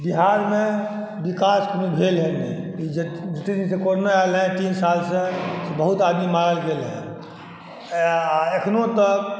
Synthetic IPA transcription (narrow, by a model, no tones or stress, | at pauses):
biɦaɾme | bikaskmibʱelɦenḭid͡ʒət̪id̪insẽkonoalɦɛ̃t̪insalsə̃sebəɦut̪ad̪mimãɾəlɡelɦḛ̃ | ekʰnot̪ɔ